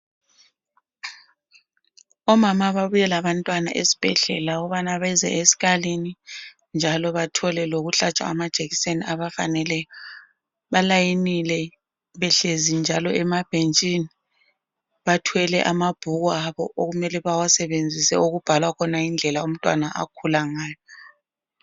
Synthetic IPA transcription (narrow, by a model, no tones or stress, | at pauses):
ɔmamaβaβujɛlaβantʼwana̰ʔesi̥b̥ʱɛɮɛlaɔβanaβɛzɛ̰ʔesi̥ɣalini | nd͡ʒʱalɔβatʰɔlɛloɣuɬat͡ʃʼwa̰ːmad̥ʒ̥ʱeɣiseniaβafanɛlɛjɔ | βalajinilɛ | βɛɬezind͡ʒʱalɔʔɛmab̥ʱent͡ʃʼini | βatʰwɛlɛʔamab̥ʱuɣuaβɔʔoɣumɛlɛβawasɛβend͡zʱisɛ̰uɣub̥ʱalwakʰɔnajind͡ɮʱɛlaum̩tʼwa̰naʔa̰kʰulaŋaːjɔ